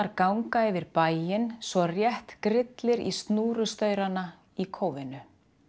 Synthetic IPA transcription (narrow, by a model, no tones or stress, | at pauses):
aɾkawŋkaɛvɪɾpaːjjɪnsvɔrjɛht̪kɾɪt̪lɪɾḭst̪nuːɾʏst̪œːɥɾana | ikʰoːwvɪnʏ